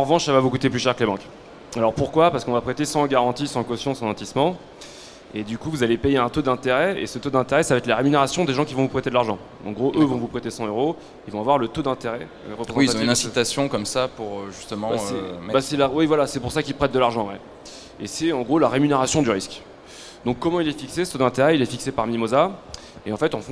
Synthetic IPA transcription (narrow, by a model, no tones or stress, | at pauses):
ɑ̃ʁəvɑ̃ʃsavavukut̪eplyʃɛʁkəlebɑ̃k | alɔʁpuʁkwapaʁsəkɔ̃vapχet̪esɑ̃ɡaʁɑ̃t̪isɑ̃kɔsjɔ̃sɑ̃nɑ̃t̪ismɑ̃ | ed̪ykuvuzalepejeɛ̃t̪od̪ɛ̃t̪eʁɛḛsət̪od̪ɛ̃t̪eʁɛsavaɛt̪laʁemyneʁasjɔ̃d̪eʒɑ̃kʲivɔ̃vupχet̪ed̪laʁʒɑ̃ | ɑ̰̃ɡʁoʔøvɔ̃vupχet̪esɑ̃øʁo | ilvɔ̃avwaʁlət̪od̪ɛ̃t̪eʁɛ | ʁəpχez̃wiaz̃nɛ̃sit̪asjɔ̃kɔmsapuʁøʒyst̪əmɑ̃baɛɛbasɛlawivwalasɛpuʁsakʲilpχɛt̪̚d̪əlaʁʒɑ̃wɛ | esɛɑ̃ɡʁolaʁemyneʁasjɔ̃d̪yʁisk | d̪ɔ̃kːɔmɑ̃ilɛfiksesə̥t̪od̪ɛ̃t̪eʁɛilɛfiksepaʁmimoza | eɑ̃fɛt̪ɑ̃fɔ̃